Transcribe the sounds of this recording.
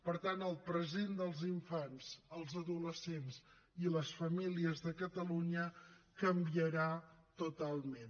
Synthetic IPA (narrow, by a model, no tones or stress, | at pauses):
pəɾt̪anəlˠpɾəzend̪əlˠziɱfanzəlˠzəðuləsenz | iləsfəmiliəzðəkət̪əluɲəkəmbiəɾat̪ut̪alˠmen